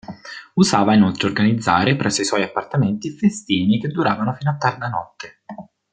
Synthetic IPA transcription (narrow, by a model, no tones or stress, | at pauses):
usaːvainolt̪ɾeorɡanid̪zːaːɾepɾɛsːoiswɔjapːart̪ament̪ifest̪iːniked̪ːuɾaːvanofiːnoat̪ːard̪anɔt̪ːe